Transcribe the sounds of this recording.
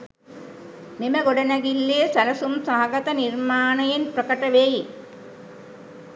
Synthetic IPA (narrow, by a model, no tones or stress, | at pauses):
miməɡoɖɐnæɡilːeːsælɐsumsaɦaɡɐt̪ənirmaːnɐjenprəkəʈəʋeji